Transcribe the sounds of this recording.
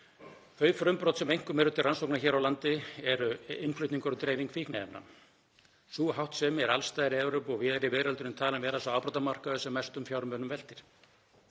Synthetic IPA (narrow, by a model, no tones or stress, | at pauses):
θœːɥfɾʏmpɾɔwt̪sɛmejŋ̥kʏmɛɾʏht̪ʰːɪransowknaçɛːɾawlant̪ɪɛɾʏɪnflʏht̪niŋkɔɾɔt̪ɾeːjviŋkfihknaɛpna̰ | suːɦawht̪sɛmɛɾa̰lst̪aːjðɾɪɛɾʏpɔɣvɪðɛɾɪvɪːɾalʏɾɪmt̪ʰaːlanvɛːɾasawaːwpɾɔt̪amar̥kaðʏsɛmːajst̪ʏmfjaːwɾmœːnʏmvɛl̥t̪ɪɾ̥